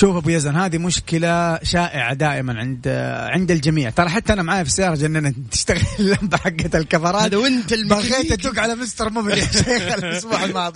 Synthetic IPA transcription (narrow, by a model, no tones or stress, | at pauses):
ʃuːfʔabujazanhaːd̪imʊʃkɪlaʃaːʔɪʕa̰d̪aːʔɪmanʕɪnd̪ʕɪnd̪ald͡ʒamiːʕt̪ɑɾˤɑħat̪ːaʔanamaʕaːjafisajːɑːɾˤɑd͡ʒʔnːanːat̪ɪ̥ʃt̪aɣɪllːambaħaɡːat̪alkafɑɾˤɑːt̪wɪnalmbaɣeːat̪uːɡʕalamɪst̪ɑɾˤmʊbɾiaʃeːxalmasˤbuːħalmɑːd̪ˤ